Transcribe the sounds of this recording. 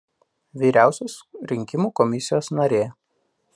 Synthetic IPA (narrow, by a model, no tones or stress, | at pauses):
ʋʲiːɾʲæˑʊsʲosɾʲɪŋʲkʲɪmuːkɔmʲɪsʲɪjoːsnɐɾʲeː